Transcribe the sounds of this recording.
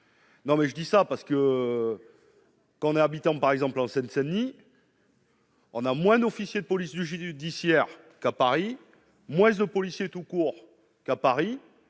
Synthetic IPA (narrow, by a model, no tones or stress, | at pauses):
nɔ̃mɛʒəd̪isapaʁsə̥kə | kɑ̃ɔ̃nɛabit̪ɑ̃paʁɛɡzɑ̃plɑ̃sɛnsɛnːi | ɔ̃namwɛ̃d̪ɔfisjed̪əpɔlisd̪əʒyd̪isjɛʁ | kapaʁi | mwɛ̃d̪əpɔlisjet̪ukuʁ | kapaʁi